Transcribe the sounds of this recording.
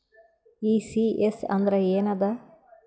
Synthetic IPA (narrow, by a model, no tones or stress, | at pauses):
iːsiʔesɐ̰nd̪ɾɐeːnɐd̪a